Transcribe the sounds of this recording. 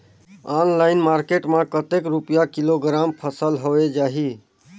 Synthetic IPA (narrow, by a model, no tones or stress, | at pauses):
anlaɪnmaɾkeʈmãkət̪ekɾupijakiloɡɾampʰəsəlɦowed͡ʒaɦi